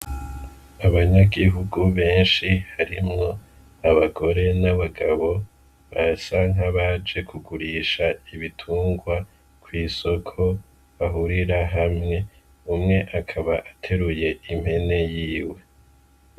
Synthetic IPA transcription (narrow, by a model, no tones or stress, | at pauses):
aβaɲaɡiɦuɡuβe̞ːnʃihaɾimŋo̞ | aβaɡo̞ɾe̞naβaɡaβo̞ | βasaŋ̥ɦaβad͡ʒe̞kʰuɡuɾiːʃaiβitʰuːŋɡwa | kwiːso̞kʰo̞ | βaɦuɾiɾaɦamŋe̞ | umŋe̞ʔakʰaβaʔatʰe̞ɾuje̞im̥he̞ne̞jiːwe̞